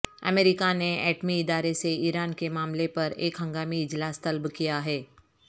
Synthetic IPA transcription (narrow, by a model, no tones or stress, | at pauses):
ɐ̰meːɾɪkaneɛ̰ːʈmiɪd̪aːɾeseiːɾaːnkemaːmlepɐɾḛːkɦɐ̃ŋɡaːmiɪd͡ʒlaːst̪ɐlbkijaɦɛː